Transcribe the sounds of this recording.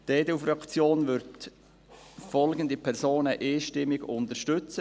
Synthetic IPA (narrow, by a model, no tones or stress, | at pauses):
d̥eːdɛufɾɑkt͡sjoːnvʏɾt | fɔlɡən̩d̪əpʰɛɾsoːnəʔeːʃtɪmːɪɡʊnt̪əʃtʏt͡sə